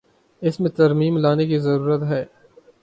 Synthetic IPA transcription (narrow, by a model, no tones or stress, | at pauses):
ɪsmẽt̪ɐɾmiːmlaːnek̬izɐɾuːɾət̪ɦɛː